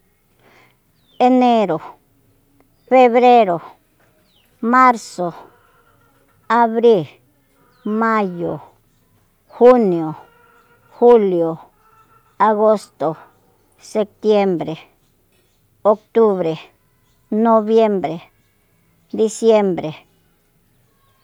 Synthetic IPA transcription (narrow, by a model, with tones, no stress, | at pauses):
e˦ne˦ɾo˨ | fe˦βɾe˦ɾo˨ | ma˦ɾso˨ | a˧βɾi˦l | ma˦jo˨ | xu˦njo˨ | xu˦ljo˨ | a˧ɡo˦st̪o˨ | se˧p̚t̪je˦mbɾe˨ | o˦kt̪u˦βɾe˨ | no˧βje˦mbɾe˨ | d̪i˧sje˦mbɾe˨